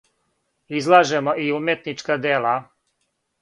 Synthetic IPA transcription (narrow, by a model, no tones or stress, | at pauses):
izlˠaʒemoʔiumjet̪nit͡ʃkad̪ela